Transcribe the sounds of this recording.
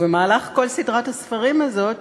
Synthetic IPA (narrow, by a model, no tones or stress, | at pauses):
vemaːlaχko̞lsidʁathasfaʁimazo̞t